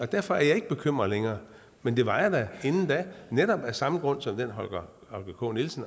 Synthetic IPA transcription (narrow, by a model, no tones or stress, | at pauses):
ɒ̽d̥æɐ̰fɒ̽æɐjɑ̈e̝ɡ̥əb̥e̝kʰøm̰ʁɐðˠleŋɐː | mend̥e̝ʋɑ̈ɪɐd̥æe̝nn̩d̥æneɾɒ̽b̥æsɑ̈məɡ̥ʁɔ̽n̰sɒ̽md̥en̰ɦɒlɡ̥ɐ | hɒ̽lɡ̥ɐkʰɔ̰ːnilsn̩